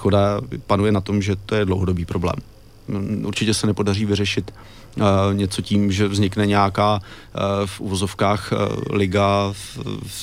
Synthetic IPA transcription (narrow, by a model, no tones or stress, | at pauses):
xodapanujɛnat̪o̞mʒɛt̪ojɛdlowɦodobiːpɾoblɛ̰ːm | ʔuɾt͡ʃɪcɛsɛnɛpo̞dar̝iːvɪrɛʃɪt̪ | ɲɛt͡so̞ciːmʒɛvzɲɪknɛɲɛjakaː | fʔṵvo̞zo̞fkaːxlɪɡa